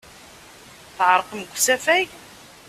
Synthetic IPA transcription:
θʕəɾˤəqmɡʷsæfæj

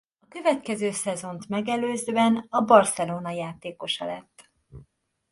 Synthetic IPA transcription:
ɒkø̞vɛt̪kɛzøːsɛzo̞nt̪mɛɡɛløːzɛnɒbɒrsɛloːnɒjaːt̪eːko̞ʃɒlɛt̪ː

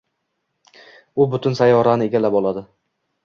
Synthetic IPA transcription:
ʊbʊt̪ʰʊnsajɒɾanɪeɡʲalabɒlˠad̪ɪ

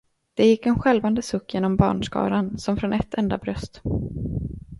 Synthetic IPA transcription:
d̪̥ɛjɪkːɛnɧɛlvand̪əsɵkːjeːnɔmbɑ̰ːɳʂkɑ̰ːɾansɔmfɾɔnʔɛt̪ʰːɛnd̪a̰bɾœst̪

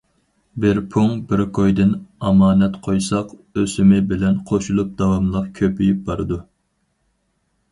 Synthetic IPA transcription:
bɪɾpʰuŋbɪɾkʰojd̪ɪnɑmɑːnɛt̪qʰojsɑqøsɪmɪbɪlɛnqʰoʃulˠup̚d̪ɑwɑmlˠɑq̚kʲʰøpʰyjyp̚bɑɾɨd̪u

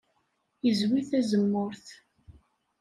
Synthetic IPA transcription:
jəzwiθæzəmːʊɾθ

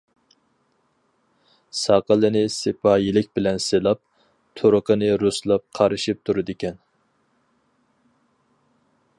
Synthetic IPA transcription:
sɑqəlˠɨnɪsepʰɑːjilɪk̚ʲbɪlɛnselˠɑp̚ | t̪ʰoɾʊqʰənɨɾuslˠɑp̚qʰɑɾɨʃip̚t̪ʰuɾɨd̪ɪkʲɛn

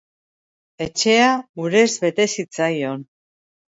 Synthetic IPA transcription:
e̞t͡ʃe̞auɾe̞zβe̞t̪e̞sit͡sajo̞n

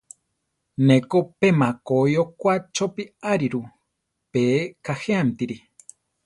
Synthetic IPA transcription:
nekopemakojokʷat͡ʃopiaɾiɾu | pekaheamt̪iɾi

